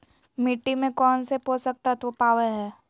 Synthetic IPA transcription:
miʈːimẽkɔːnseposək̚t̪at̪ʋopaːʋəɦɛː

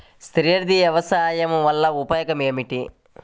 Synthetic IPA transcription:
st̪ɾiːɐɾd̪iʋjɐʋɐsaːjɐmʋɐlːɐupɐjɐkɐme̞ːmiʈi

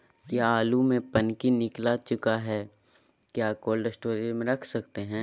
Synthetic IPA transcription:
kjaaːlumẽpɐnkinɪklat͡ʃʊkaɦɛː | kjaːkoːlɖəsʈoːɾimẽɾɐkʰsɐkt̪eɦɛ̃ː

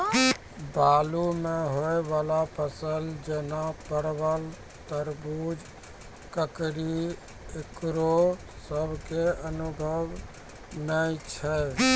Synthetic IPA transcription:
balumeɦoebalapəsəld͡ʒenapəɾbəl | t̪əɾbud͡ʒ | kəkɾi | ekɾo | səbʱkeənubʱəʋ | nət͡ʃʰɛ

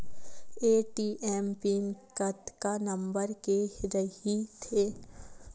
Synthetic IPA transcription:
eːʈiːʔɛmpinkət̪kanɐ̃mbəɾkeɾəɦit̪ʰeː

